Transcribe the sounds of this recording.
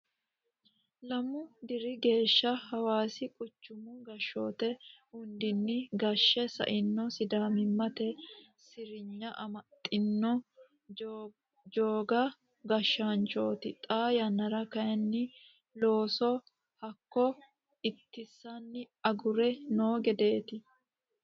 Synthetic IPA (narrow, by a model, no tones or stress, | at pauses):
lɐmʊd̪ɪɾɪɡe̞ːʃːɐhɐwaːsɪkʼʊt͡ʃːʊmʊɡɐʃːo̞̰ːt̪ɛʊnd̪ɪnːɪɡɐʃːɛsɐ̰ʔɪnːɔsɪd̪aːmɪmːɐt̪ɛ | sɪɾɪɲːɐʔɐmɐt̪ʼːɪnːɔ | d͡ʒoːɡɐ | ɡɐʃːant͡ʃo̞ːt̪ɪt̪ʼaːjɐnːɐɾɐkɐjɛnːɪ | lo̞ːsɔ | hɐkːɔ | ɪt̪ːɪsːɐnːɪ | ɐɡʊɾɛnoːɡɛd̪e̞ːt̪ɪ